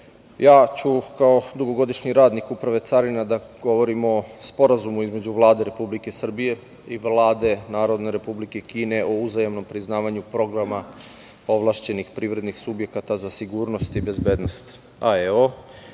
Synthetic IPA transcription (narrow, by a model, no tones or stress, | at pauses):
jaːt͡ɕukao̞d̪uɡo̞ɡo̞d̪iʃɲiɾaːd̪nikupɾaʋe̞t̪saɾinad̪aɡo̞ʋo̞ɾimospo̞ɾazumuizme̞d͡ʑuʋlˠaːd̪e̞ɾe̞publike̞sr̩bije̞ | iʋlaːd̪e̞naːɾo̞d̪ne̞ɾe̞publike̞kiːneʔo̞uzajemno̞mpɾiznaːʋaɲupɾo̞ɡɾama | o̞ʋlˠaʃt͡ɕe̞nixpɾiːʋɾe̞d̪nixsubje̞kat̪azasiɡuːɾno̞st̪ibe̞zbe̞ːd̪no̞st̪ | aeo